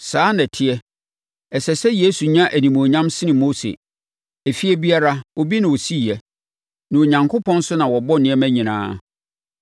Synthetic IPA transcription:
saː˦nɛ̃˨tʰɪ˦ɛ˦ | ɛ˨sɛ˨sɛ˦je˦su˨ɲã˦ʔæ˨nĩ˨mõ˨ɲã˦msɪ˦nɪ̃˨mo˦sḛ˨ | æ˨fi˦ɛ˦bi˦a˦ɾa˦wo˦bi˦nã˨wo˨si˦˨jɛ˨ | nã˨o˨ɲã˨ŋkʰo˦pʰɔ̃˦n˦sʊ˦nã˨wɔ˨bɔ˦nɪ̃˨˦ɛ˦mæ̃˦ɲĩ˨nã̰ː˦

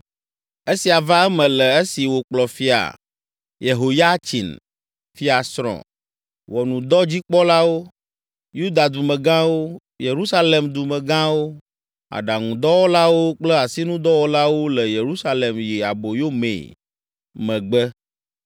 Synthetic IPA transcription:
e˦si˨a˨va˦ɛ˦mɛ̃˨lɛ˨e˦si˨wo˨k͡plɔ˨fi˦a̰˨ | je˨ɦo˨ja˦t͡ɕḭ˨n | fi˦a˨sɾɔ̰̃˨ | wɔ˨nũ˨d̪ɔ˦d͡ʑi˦k͡pɔ˦la˦wo˦ | ju˦d̪a˨d̪u˨mɛ̃˨ɡã˦wo˦ | je˨ɾu˦sa˦le˨md̪u˨mɛ̃˨ɡã˦wo˦ | a̰˨ɖa˨ŋũ˨d̪ɔ˦wɔ˦la˦wo˦k͡plɛ˦a˨si˦nũ˦d̪ɔ˦wɔ˦la˦wo˦lɛ˨je˨ɾu˦sa˦le˨mji˨a̰˨bo˨jo˦mḛ̃˨ | mɛ̃˨ɡ͡bɛ˦

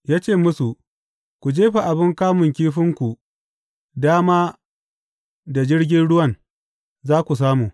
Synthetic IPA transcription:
jaː˦t͡ʃeː˦˨mʊ˦su˨ | kʷu˨d͡ʒeː˦ɸa˨ʔa˨bɪ˦ŋkaː˦mʊ˨ŋkʲiː˦ɸɪ˦ŋkʷu˨ | daː˦maː˦ | da˨d͡ʒɪ˦ɽɡʲɪ˦nɽʊ˦wɐ˦˨n | zaː˦kʷu˨s̬aː˦muː˨

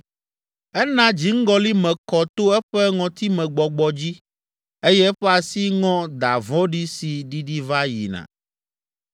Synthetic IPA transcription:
ɛ˦nã˦d͡ʑi˨˦ŋ̩˦ɡɔ˦li˦mɛ̃˨kɔ˨t̪o˦ɛ˦ɸɛ˦ŋɔ̃˨t̪i˦mɛ̃˨ɡ͡bɔ˨ɡ͡bɔ˨d͡ʑi˦ | e˦jɛ˦ɸɛ˦a˨si˦ŋɔ̃˦d̪a˨vɔ̃˦ɖi˦si˨ɖi˦ɖi˦va˦jḭ˨nã̰˨

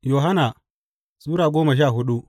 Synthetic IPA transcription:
jo˨ɦa˦naː˨ | sʼuː˦ɾaː˨ɡʷoː˦mɐ˨ʃ̬aː˦˨ɦʊ˦ɗu˦ʔ

